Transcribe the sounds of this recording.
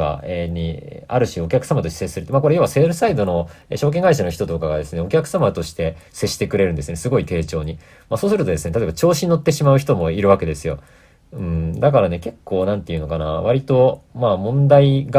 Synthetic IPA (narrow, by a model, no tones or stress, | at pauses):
ɡa̰eɲ̟ia̰ɾɯ̟ɕio̞kʲakɯ̟̥samat̪o̞ɕti̥sesɨɾɯt̪emako̞ɾe̞joβaseɾɯsaid̪o̞no̞eɕo̞ːk̬eŋɡaiɕano̞çi̥t̪o̞t̪o̞kaɡad̪e̞sɨne̞o̞kʲakɯ̟samat̪o̞ɕi̥t̪e̞se̞ɕːi̥t̪e̞kɯ̟ɾe̞ɾɯ̟̃nd̪sɨesɨɡo̞it̪e̞ːt͡ɕo̞ːɲ̟i | maːso̞ːsɨɾɯt̪o̞d̪e̞sɨne̞t̪at̪obat͡ɕo̞ːɕiɲino̞t̪ːe̞ɕimaɯ̟çi̥t̪o̞mo̞iɾɯ̟βake̞d̪e̞sɨjo̞̰ | ɯ̟̃ɴd̪akaɾane̞ke̞kːo̞ːnãnt̪e̞jɯ̟no̞kana̰βaɾʲit̪o̞mamõ̞nd̪aiɡ